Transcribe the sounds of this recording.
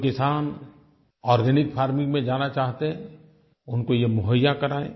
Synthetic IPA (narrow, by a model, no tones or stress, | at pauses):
kɪsaːn | ɔːɾɡɛnɪkpʰaːɾmɪ̃ŋɡmẽd͡ʒaːnat͡ʃaːɦt̪eɦɛ̃ | ʊnkojemʊɦəjːakɐɾaːḛː